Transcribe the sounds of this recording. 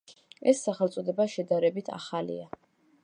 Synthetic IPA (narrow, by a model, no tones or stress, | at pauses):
ɛsːaχɛlt̪sʼɔd̪ɛbaʃɛd̪aɾɛbit̪ʰa̰χalḭa